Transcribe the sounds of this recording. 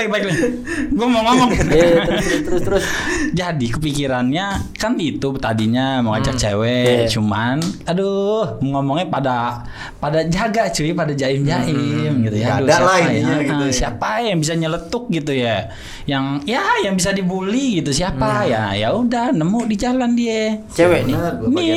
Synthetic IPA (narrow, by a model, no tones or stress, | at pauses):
ɪk̚baɪkla | ɡuamɔŋɔmɔŋ | st̪əɾʊsd͡ʒadikəpikiɾanɲakanit̪ut̪adiɲaməŋad͡ʒak̚t͡ʃḛwɛt͡ʃumanaduhməŋɔmɔŋɲapada | padad͡ʒaɡat͡ʃuipadad͡ʒaɪmd͡ʒaʔɪmɡit̪ujaadusaalaajasiapajaŋbis̬aɲələt̪ʊk̚ɡit̪uja | jaŋjajaŋbis̬adibuliɡit̪us̬iapajajaudahnəmʊʔdid͡ʒalandiɛ | eweni